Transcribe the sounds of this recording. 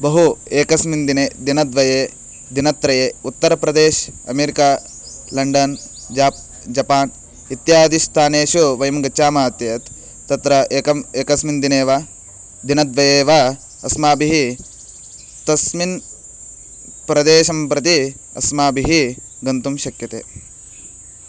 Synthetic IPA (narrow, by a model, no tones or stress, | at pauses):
bɐɦueːkɐsmind̪ineːd̪inɐd̪ʋɐjeː | d̪inɐt̪ːɾɐjeːut̪ːɐɾɐpɾɐd̪eːʃɐ̰meːɾikaː | lɐɳɖɐn | d͡ʒaːp̚ | d͡ʒɐpaːn | it̪jaːd̪ist̪ʰaːneːʃuʋɐjɐmɡɐt͡ʃaːmaːt̪jɐjɐt̪ː | ɐt̪ɾɐeːkɐmeːkɐsmind̪ineːʋaː | d̪inɐd̪ʋɐjeːʋa | ɐsmaːbiɦi | t̪ɐsmin | pɾɐd̪eːʃɐmpɾɐt̪i | ɐ̰smaːbiɦi | ɡɐnt̪umʃɐkjɐt̪ḛː